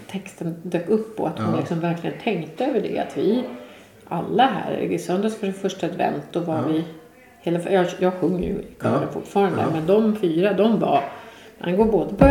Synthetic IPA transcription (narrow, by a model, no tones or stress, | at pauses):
t̪ʰɛkst̪ənd̪øːkɵpːɔ̰at̪hhʊnlɪksɔmvæɾklɪɡənt̪ʰɛŋt̪əøːvəɖɛ̰a̰t̪vɪ | ʔalːaɦæ̰ɾɪsœnd̪əsfaʂfœʂʈaad̪vɛ̰nt̪̚d̪ɔvaɾvɪ | heːlafjɑjɑːɡɧɵŋːjɵ̰kʰɑɾafʊ̰ʈːfɑːɾand̪ə̰mɛnd̪ɔmfyːɾad̪ɔmva̰ha̰nɡoːɾboːd̪əpʰ